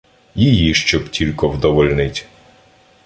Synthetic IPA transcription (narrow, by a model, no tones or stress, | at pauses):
jijiʃt͡ʃɔbtʲilʲkɔwd̪ɔʋɔlʲnɪtʲ